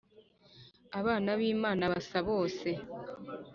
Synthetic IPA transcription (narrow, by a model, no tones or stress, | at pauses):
aβaːnaβiːmaːnaβasaβo̞ːse̞